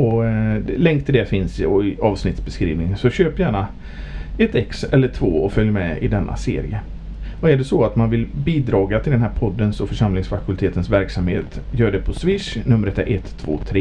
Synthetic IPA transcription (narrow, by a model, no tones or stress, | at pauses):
ɔlɛŋkt̪ʰɪld̪ɛfɪnsɔɪʔɑːvsnɪt̪sbɛskɾḭːvnɪŋsɔɕøːpjæːɳa | ɛt̪ɛksɛlːəʈʰvoːɔfœljmɛɪ̰d̪ɛnːʔa̰sḛːɾɪ̰ə | vaɛæɖɛsɔat̪manvɪlbiːd̪ɾɑːɡat̪ʰɪld̪ɛnɦæːɾpʰɔd̪ːənsɔfœʂamlɪŋsfakʰɵlt̪ʰeːt̪ənsvæɾksamheːt̪jœːɖɛpʰɔsvɪʂnɵmːəɾɛt̪ɛʔɛt̪ʰːvo̰ːt̪ʰɾeː